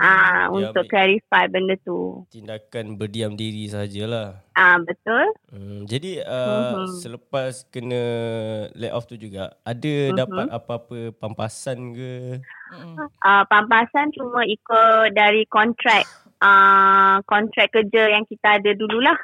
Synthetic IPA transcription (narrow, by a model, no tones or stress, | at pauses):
ʔaṵnʊkkːlaɾifajbəndət̪ṵt̪indakanbərdiamdiɾisəɦad͡ʒəlahʔabət̪ʊld͡ʒadiəsələpaskənə̃ | lɛ̰ɔ̰ft̪ud͡ʒuɡaadəmdapat̪apaapəpampasankə | ʔəpampasant͡ʃumə̃ikodaɾikɔnt̪ɾɛk̚ | ʔəkɔnt̪ɾɛk̚kəd͡ʒəjaŋkit̪aːdədululah